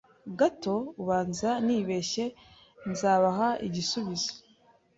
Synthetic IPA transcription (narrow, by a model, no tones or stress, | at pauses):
ɡato̞uβaːnzaniːβe̞ʃe̞ | nzaːβaɦaiɟisuβizo̥